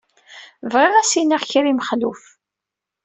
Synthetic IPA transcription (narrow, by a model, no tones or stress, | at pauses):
vʁɪʁæsinaʁçɾiməχluf